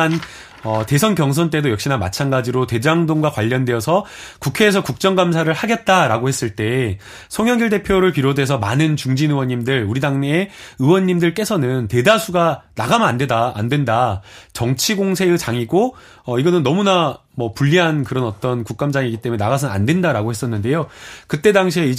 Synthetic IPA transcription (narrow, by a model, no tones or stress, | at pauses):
n | ʌte̞sʰʌnkjʌŋs̬ʰʌnt͈e̞dojʌkɕ͈inama̰t͡ɕʰanɡad͡ʑiɾote̞d͡ʑaŋdoŋɡwakwaʎːʌnde̞ʌsʰʌkukʰe̞ːs̬ʰʌkuk̚t͡ɕ͈ʌŋɡamsʰaɾɯɭhaɡe̞t̚t͈aɾaɡohe̞s͈ɯɭt͈e̞ | sʰʌŋjʌŋɡjiɭde̞pʰjoɾɯɭpiɾodwe̞s̬ʰʌmanɯnt͡ɕuŋd͡ʑinɯwʌɲːimdɯɭuɾidaŋe̞ɯwʌɲːimdɯɭk͈e̞sʰʌnɯnte̞dasʰuɡana̰ɡamɯandeda̰ːndwe̞ndat͡ɕʌŋt͡ɕʰiɡoŋsʰe̞ɯt͡ɕaŋiɡo | ʌiɡʌnɯnːʌmuna | mʌpuʎːiɦankɯɾʌnʌt͈ʌnkuk̚k͈amd͡ʑaŋiɡit͈emeenaɡas̬ʰɯna̰ndwe̞ndaɾaɡohe̞s͈ʌnːɯnde̞jokɯt͈e̞daŋɕ̬ʰiei